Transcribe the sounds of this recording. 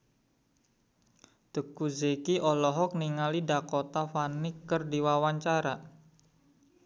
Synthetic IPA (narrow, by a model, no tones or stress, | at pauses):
t̪əkuzekiʔɔlɔɦɔk̚niŋalidakot̪afanɪkːərdiwawaɲt͡ʃaɾa